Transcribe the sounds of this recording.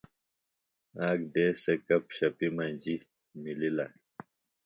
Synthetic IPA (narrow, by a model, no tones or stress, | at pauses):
aːɡd̪eːsekɐpɕɐpimɐ̃nd͡ʑi | milila